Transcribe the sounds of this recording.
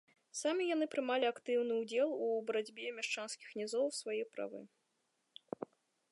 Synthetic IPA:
samʲijan̪ɨpɾɨmalʲiakt̪ɨwnɨud͡zʲɛlˠubɾad͡zʲbʲɛmʲɛʂt͡ʂanskʲixnʲɛzɔwsvajɛpɾa̰vɨ̰

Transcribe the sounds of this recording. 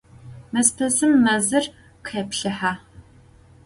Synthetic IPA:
mɨspʰɐzɨmːɐzɨr | qʰepɬɨħaː

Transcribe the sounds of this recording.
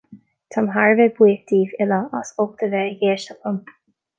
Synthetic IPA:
t̪ʰamɦaɹvɛbwiːk̚d̪̥iːvɪləasok̚t̪ʰəvɛəɡeːʃt̪əpʰəm

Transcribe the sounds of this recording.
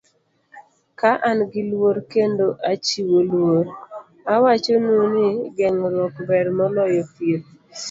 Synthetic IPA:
kaʔanɡɪlwoɾkendoʔat͡ʃiwolwoɾ | awat͡ʃonunɪɡɛŋɾwɔkbɛɾmɔlɔjɔpiɾ

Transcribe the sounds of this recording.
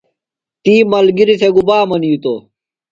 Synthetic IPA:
t̪iːmɐlɡiɾiseɡubaːmɐniːt̪oː

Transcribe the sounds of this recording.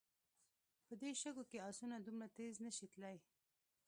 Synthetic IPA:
pəd̪eʃəɡokeɑsunad̪umɽat̪eznəʃit̪laj

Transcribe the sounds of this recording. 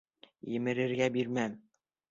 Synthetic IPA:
jɘ̆mɘ̆ɾɘ̆ɾɡæbiɾmæm

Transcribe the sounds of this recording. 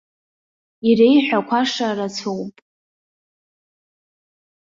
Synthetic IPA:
irejħʷᶣakʷʰaʂarat͡sʰowpʼ

